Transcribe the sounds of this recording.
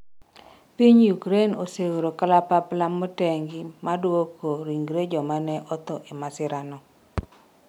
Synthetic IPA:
piɲjukɾenoseoɾokalapaplamɔtɛŋɡɪmadwokoɾiŋɡɾed͡ʒɔmanɛʔɔt̪ɔʔemasɪɾanɔ

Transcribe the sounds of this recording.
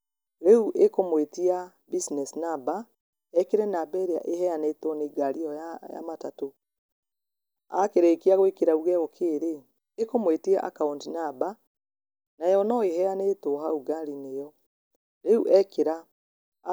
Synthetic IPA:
ɾeuʔekomwetia | bisinɛsinaba | ɛkeɾɛnabɛɾea̰ʔehɛjanetoneɡaɾiɔaja̰matato | a̰keɾekeaɣoekeɾauɣɛɣɔkʰeːɾeː | komwetia̰ʔa̰kauntinaba | najɔnɔeɦɛaneːtoɦauɡaɾinejɔ | ɾeuʔɛkeɾa

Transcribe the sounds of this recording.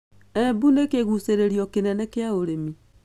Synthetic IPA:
ɛbunekeɣuseɾeɾiɔkenɛnɛkeaoɾemi

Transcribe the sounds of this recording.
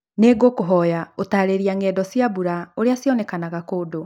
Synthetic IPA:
neɡokoɦɔjaotaːɾeɾiaŋɛːdɔsjaβuɾaoɾeasjɔnɛkanaɣakoːdo

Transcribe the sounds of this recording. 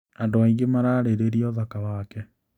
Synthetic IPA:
andoaiŋɡemaɾaːɾeɾeɾiɔðakawakɛ

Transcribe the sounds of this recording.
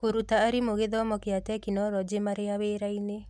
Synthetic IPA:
koɾutaːɾimoɣeðɔmɔkeatɛkinɔɾɔd͡ʒemaɾeaweːɾaine

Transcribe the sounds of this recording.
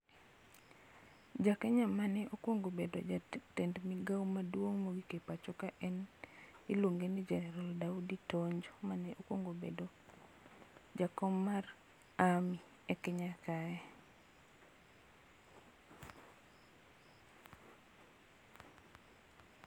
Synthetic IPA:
d͡ʒakɛɲamanɛʔokwoŋɡobedo̰d͡ʒatendmɪɡawmadwoŋmoɡikepat͡ʃɔkaʔɛnɪlwoŋɡenid͡ʒɛnɛɾaldauditoɲd͡ʒomanɛʔokwoŋɡobḛdo | d͡ʒakɔmːar | ami | ɛkɛɲakaɛ

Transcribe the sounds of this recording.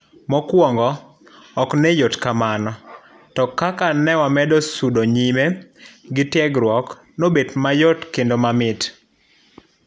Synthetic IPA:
mɔkwɔŋɡɔː | knɛjotkamanɔ | tɔkakanɛwamɛdɔsudoɲimeɡɪtjɛɡɾwɔk | nobetmajotkendomamɪt

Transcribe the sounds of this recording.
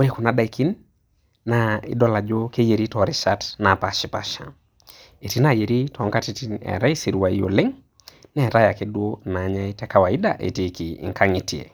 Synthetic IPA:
uɾikunaɗaikinː | aḭɗɔlad͡ʒokejeɾitɔɾiʃatnapaʃipaʃa̰ | etinajeɾitɔŋɡatitinɛ̰ɾaisiɾiwaijoleŋ | nɛɾajakeɗuonaɲaitɛkawaiɗa̰ʔḛtikḭŋkʰaŋitiɛ̰

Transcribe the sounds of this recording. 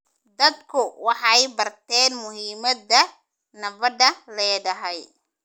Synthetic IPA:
d̪ɐd̪kʰʊwɑħɑjbɐrt̪ʰɛːnmʊɦiːmɐd̪ɐ | nɐbɐdɐlɛːɖɐɦɛj

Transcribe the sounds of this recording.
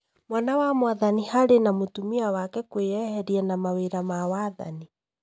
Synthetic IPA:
mwanawamwaðanihaɾenamotumiawakɛkweɛhɛɾiɛnamaweɾamawaːða̰ni

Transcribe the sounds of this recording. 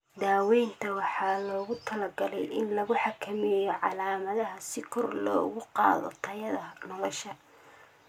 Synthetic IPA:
d̪aːwɛjnt̪ʰɐwɑħɑːlɔːɣʊt̪ʰɐlɐɡɐlɛ̰jʔɪnlɐɣʊħɑkʰɐmɛjɔʕɑlaːmɐðɐɦɐsɪkʰɔrlɔ̰ːɣʊqɑ̰ːðɔ̰t̪ʰɐjɐðɐnɔlɔʃɐ

